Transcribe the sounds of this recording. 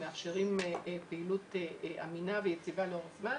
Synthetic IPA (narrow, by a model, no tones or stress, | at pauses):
meafʃeʁimpeilutʔa̰minavejet͡sivaleoʁafma